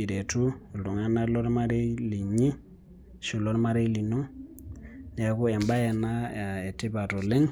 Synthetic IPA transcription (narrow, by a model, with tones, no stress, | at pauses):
i˨ɾe˨tu˦˨lu˨ŋa˦na˦lɔ˦ɾma˦ɾe˦li˨ɲi˦ | ʃu˨lo˦ɾma˦ɾe˦li˨nu˦ | ni˨ja˨ku˦ɛ˨mba˦je˨na˦a˨e˨ti˦ba˨to˨le˦ŋ